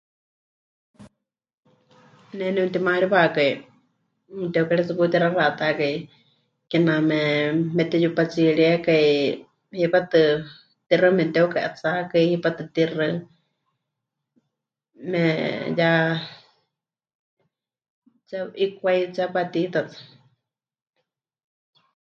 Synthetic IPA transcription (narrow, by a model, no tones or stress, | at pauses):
nɛnɛut̪imaɺiβakai | t̪ɛukaɺɛt͡sɨput̪iɾaraʔt̪akai | kɛnamɛmɛt̪ɛjupat͡siɺiakai | hipat̪ɨ | t̪irɨmɛt̪ɛukaʔat͡sakaihipat̪ɨt̪irɨ | mɛja | t͡saikʷait͡sapat̪it̪at͡sḁ